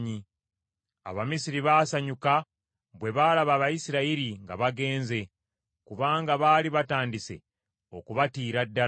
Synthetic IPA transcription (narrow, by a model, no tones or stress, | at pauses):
ɲi | a̰βamisiɾiβaːsaɲuka | βwe̞βaːlaβaːβajisiɾaiɾiŋɡa̰βaɡe̞ːnze̞ | kuβaːŋɡaβaːliβataːndise̞̰ | o̞̰kuβatiːɾadːa